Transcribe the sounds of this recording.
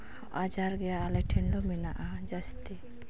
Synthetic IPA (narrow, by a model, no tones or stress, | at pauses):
ad͡ʒaɾɡɛjaːlɛʈʰɛnlɔminaʔad͡ʒast̪i